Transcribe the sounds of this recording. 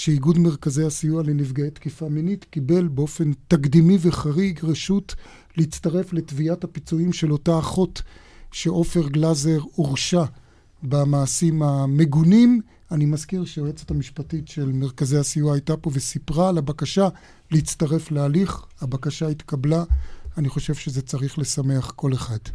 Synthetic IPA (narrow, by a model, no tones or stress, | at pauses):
ʃeiɡudmeʁkazejasijualenivɡaet̪kifaminitkibe̞lbeo̞fe̞ntakd̪imiveχaʁiɡʁeʃut | leit͡staʁe̞fle̞tviathapit͡suimʃe̞lo̞taːχo̞t | ʃeʔo̞fe̞ʁɡlazeʁoʁʃa | bamaːsimame̞ɡunim | animazkiʁʃeʁet͡setamiʃpatitʃe̞lme̞ʁkazejasijuaːjtapo̞vesipʁaːlabakaʃa | leit͡staʁe̞flealiχhabakaʃaitkablaːniχo̞ʃe̞vʃezet͡saʁiχle̞same̞aχko̞le̞χad̥